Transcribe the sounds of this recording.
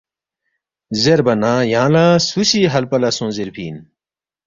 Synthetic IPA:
zeɾbɐnãjãːlasusiɦɐlpɐlɐsõːzeɾpʰḭːn

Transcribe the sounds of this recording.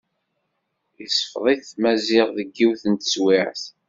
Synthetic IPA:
jisəfðˤiθmæzɪʁˤðəɡːiwθənt̪ə̥swiʕθ

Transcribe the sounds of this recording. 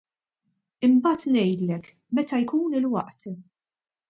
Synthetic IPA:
ɪmbɐːt̪nɛjd̪lɛk | mɛt̪ɐjkuːnɪlwɐʔt̪

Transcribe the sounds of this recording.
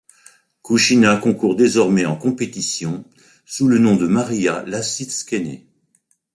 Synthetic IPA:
kuʃinakɔ̃kuʁd̪ezɔʁmɛɑ̃kɔ̃pet̪isjɔ̃ | sulənɔ̃d̪əmaʁijalasiskʲenḛ

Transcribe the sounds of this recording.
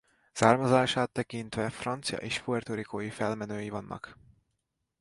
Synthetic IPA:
saːrmɒzaːʃaːt̪ːɛkint̪ʋɛfrɒnt̪sijɒ̰ʔeːʃfuɛrt̪oɾikoːjifɛlmɛnøːjivɒnːʔɒ̰k

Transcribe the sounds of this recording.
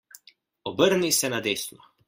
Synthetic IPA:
ɔbəɾnisɛnad̪eːsnɔ

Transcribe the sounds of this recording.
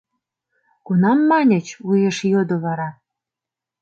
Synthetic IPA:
kunɑmːɑnʲə̆t͡ɕujeʃjod̪oβɑɾɑ

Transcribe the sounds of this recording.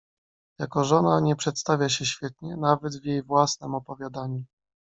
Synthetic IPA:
jakɔʐɔnaɲɛpʂɛt̪st̪avʲjaɕɛɕfʲjɛt̪̚ɲɛnavɛd̪vjejvwasnɛmɔpɔvʲjad̪aɲu

